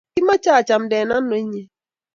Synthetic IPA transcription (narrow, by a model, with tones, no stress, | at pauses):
i˦ma˦t͡ʃa˦a˨t͡ʃa˨m̩˨˦de˨na˦n̩˦no˨˦i˦ɲe˦